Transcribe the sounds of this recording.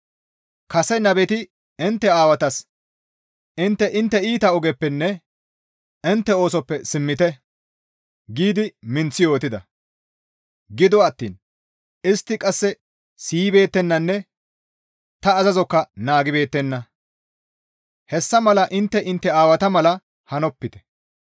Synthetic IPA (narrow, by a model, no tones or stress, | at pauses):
kɐsɛnɐbɛt̪ɪ | ɪnt̪ːɛaːwɐt̪ɐs | ʔɪnt̪ːɛʔɪnt̪ːɛiːt̪ɐɔɡɛpːɛnːɛ | ɪnt̪ːɛo̞ːsɔpːɛsɪmːɪt̪ɛ | ɡiːd̪ɪmɪnt͡sːɪjo̞ːt̪ɪd̪ɐ | ɡɪd̪ɔɐt̪ːiːn | ɪst̪ːɪkʼɐsːɛ | siːbe̞ːt̪ːɛnːɐnːɛ | t̪ɐːzɐzɔkːɐnaːɡɪbe̞ːt̪ːɛnːɐ | hɛsːɐmɐlɐʔɪnt̪ːɛʔɪnt̪ːɛaːwɐt̪ɐmɐlɐ | hɐnɔpːɪt̪ɛ̥